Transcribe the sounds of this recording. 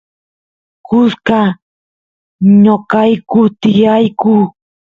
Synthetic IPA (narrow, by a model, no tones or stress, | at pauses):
kʊska | ɲokajkʊt̪ɪjajku